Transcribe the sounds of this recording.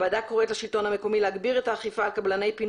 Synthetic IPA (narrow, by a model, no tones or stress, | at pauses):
badako̞ʁetlaʃilto̞nhame̞ko̞mileaɡbiʁetaːχifaːlkablane̞jpin